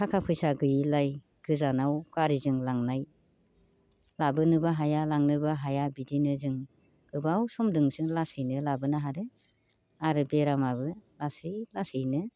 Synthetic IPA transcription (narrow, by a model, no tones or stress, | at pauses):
kʰakʰapʰɯjsaɡɯjilaj | ɡ̥ɯzanawkaɾizɯŋlaŋnaj | labɯnɯbaɦajalaŋnɯbaɦajabidinɯzɯŋ | ɡɯbawsɔmdɯŋzɯŋlasɯjnɯlabɯnaɦadɯ | aɾɯbeɾamabɯlasɯjlasɯjnɯ